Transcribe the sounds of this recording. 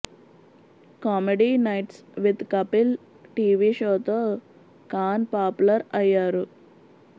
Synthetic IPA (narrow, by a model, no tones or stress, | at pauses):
kɔːmeɖinɐjʈsʋid̪kɐpil | ʈiːʋiːʃoːt̪o | kaːnpaːpulɐɾɐjːaːɾu